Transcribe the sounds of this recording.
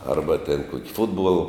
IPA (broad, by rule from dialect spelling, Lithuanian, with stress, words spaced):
ˈɐrbɐ tʲɛn ˈkuɔkʲɪ ˈfʊdbuɔlˠ